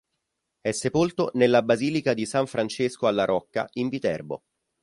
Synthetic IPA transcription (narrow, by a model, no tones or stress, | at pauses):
ɛsːepolt̪onelːabaziːlikad̪isaɱfɾant͡ʃeskoalːaɾʔɔkːa̰ʔiɱvit̪ɛ̰rbo̰